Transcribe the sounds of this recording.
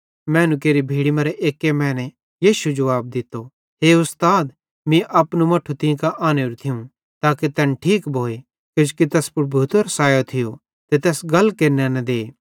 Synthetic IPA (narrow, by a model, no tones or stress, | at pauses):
mɛ̃ːnũkeːɾibʱiːɽimɐɾɛʔeːkːemɛ̃ːnɛ | jiːʃud͡ʒɐʋaːb̚d̪ɪt̪ːo | ɦeːʊst̪aːd̪ | mĩʔɐpnũmɐʈʰːut̪ɪ̃kaʔaːneɾut̪ʰɪũ | t̪aːket̪ɛnʈʰiːkbʱoːe | ked͡ʒukit̪ɛːspɾbʱuːt̪ɐɾɐsaːjot̪ʰɪjo | t̪et̪ɛːsɡɐlːkeːɾnɛnɛ̃d̪eː